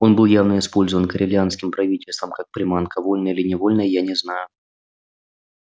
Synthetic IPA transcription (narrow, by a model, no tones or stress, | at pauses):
o̞nbɨlˠjavnəɪspo̞lʲzəvənkəɾʲɪlʲɪanskʲɪmpɾɐvʲitʲɪlʲst̪vəmkak̚pɾʲɪmankəvo̞lʲnəjɪlʲɪnʲɪvo̞lʲnəjəjanʲɪznajʊ